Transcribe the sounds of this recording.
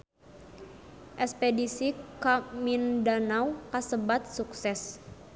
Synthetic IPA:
ʔɛspɛdisikamindanawkasəbat̪̚suksɛs

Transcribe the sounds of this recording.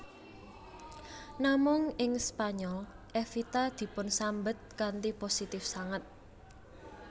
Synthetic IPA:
namʊŋɪŋspaɲɔl | ʔɛfit̪ad̪̥i̤pʊnsambət̪̚kant̪iposit̪ɪfsaŋat̪̚

